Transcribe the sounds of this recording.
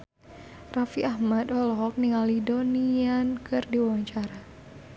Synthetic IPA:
rafiahmad̪ɔlɔɦɔk̚niŋalidoniankɨrdiwawaɲt͡ʃaɾa

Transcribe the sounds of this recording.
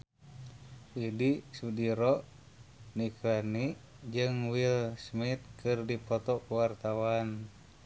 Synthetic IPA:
widisudiɾɔ | niklaniʔ | d͡ʒɨŋwilsmit̪̚kɨrdipɔt̪ɔkuwart̪awan

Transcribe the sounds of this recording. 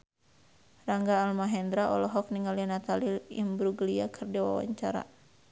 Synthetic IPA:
raŋɡaːlmaɦɛnd̪ɾaʔɔ̰lɔɦɔk̚niŋalianat̪aliimbɾuɡliakʰɨrdɛwa̰wa̰ɲt͡ʃaɾa̰

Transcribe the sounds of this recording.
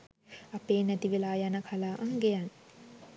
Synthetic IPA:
apeːnɛt̪iʋelaːjanəkʰalaːʔaŋɡejan

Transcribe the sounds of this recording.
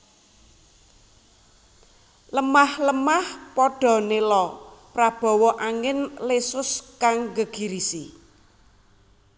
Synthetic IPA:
ləmahləmahpɔɖ̥ɔ̤nelɔpɾab̥ɔ̤wɔʔaŋɪnlesʊskaŋɡəɡ̥i̤ɾisi

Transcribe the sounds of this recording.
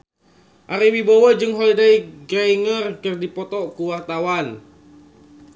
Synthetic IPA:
ʔaɾiwibowəd͡ʒɨŋɦɔlidajɡɾajŋərkərdipɔt̪ɔʔkuwart̪awan

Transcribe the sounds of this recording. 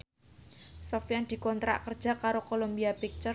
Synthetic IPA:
sɔfjand̪̥i̤kɔnt̪ɾa̰ʔkərd̥ʒ̥a̤kaɾokolombiapik̚t͡ʃə

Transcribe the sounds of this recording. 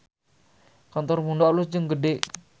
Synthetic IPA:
kant̪ɔrmundɔʔlusd͡ʒəŋɡəɖeʔ

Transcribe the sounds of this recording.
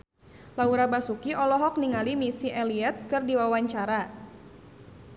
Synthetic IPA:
lauɾabasukiɔlɔɦɔk̚niŋalimisiʔɛliɛt̪̚kɨrdiwawaɲt͡ʃaɾa

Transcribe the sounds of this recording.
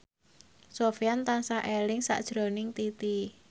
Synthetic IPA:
sofjant̪ansaʔelɪŋsa̰ʔd̥ʒ̥ɾɔnɪŋt̪it̪i

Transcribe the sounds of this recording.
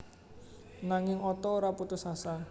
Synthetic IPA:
naŋɪŋɔt̪ɔoɾaput̪usasa

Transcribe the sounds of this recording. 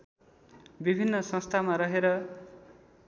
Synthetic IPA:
bibʱinːʌsʌ̃st̪ʰamaɾʌɦeɾʌ

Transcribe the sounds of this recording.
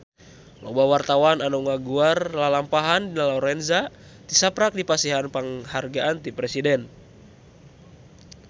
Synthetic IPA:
lɔbawart̪awananuŋaɡuarlalampaɦandinalɔɾɛnza | t̪isapɾak̚dipasiɦanpaŋharɡaʔant̪ipɾɛsidɛn

